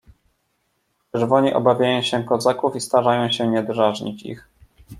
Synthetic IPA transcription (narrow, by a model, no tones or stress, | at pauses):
ʈ͡ʂɛɾvɔɲiʔɔ̰bavʲjajɔ̃w̃ɕɛkɔzakufist̪aʐajɔ̃w̃ɕɛɲɛd̪ɾaʐɲit͡ɕḭx